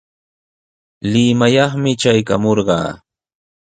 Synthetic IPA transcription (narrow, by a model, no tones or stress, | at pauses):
lɪmajɑχmɪt͡ʃajkamoɾɢɑ̰ː